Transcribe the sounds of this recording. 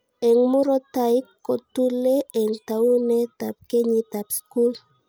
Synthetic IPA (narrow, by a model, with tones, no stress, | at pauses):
ɛ˨ŋmu˦ɾo˦ta˦i˦kːo˨tu˦le˦ɛ˨ŋta˨u˦ne˦ta˨p̚ke˦ɲi˦tapsku˦l